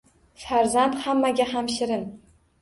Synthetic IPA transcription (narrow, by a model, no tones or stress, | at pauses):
faɾzant̪hamːaɡʲaɦamʃɪɾɪn